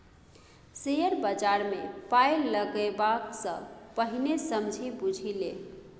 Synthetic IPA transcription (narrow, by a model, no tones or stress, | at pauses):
sejəɾbəd͡ʒaɾmepajləɡebaksə̰̃pəɦinesəmd͡ʒʱibud͡ʒʱile